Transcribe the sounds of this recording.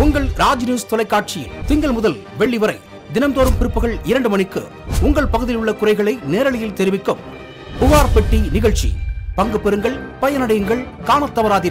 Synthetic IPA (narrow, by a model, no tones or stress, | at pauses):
ʊŋɡɐɭɾaːd͡ʒnjuːst̪ɔlɐɪkːaːʈ̚t͡ʃɪt̪ɪŋɡɐɭmʊðɐlʋɛɭːiʋɐɾɐɪ | d̪ɪnɐmt̪oːɾɯmpɪɾɯpːɯɣɐɭɪɾɐɳɖɯmɐnɪkːɯ | ʊŋɡɐɭpɐɣɯðɪlɯɭːɐkʊrɐɪɣɐɭɐɪneːɾɐɭɐjɪlt̪ɛɾɪʋɪkːɯm | pʊʋaːɾpɛʈːinɪɣɐɭt͡ʃḭpɐŋɡɯpːɛɾɯŋɡɐɭpɐjɐnɐɽɐjɯŋɡɐɭkaːnɐt̪ːɐʋɐɾaːðɪɾ